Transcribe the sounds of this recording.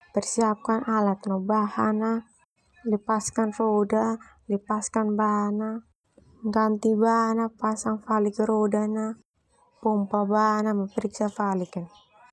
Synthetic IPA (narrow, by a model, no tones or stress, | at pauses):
pɛrsiap̚kanalat̪nabahana | ləpaskanroda | ləpaskanbana | ŋɡant̪ibanapasaŋfalikəɾodana | pɔmpabanaməpəɾiksafalikan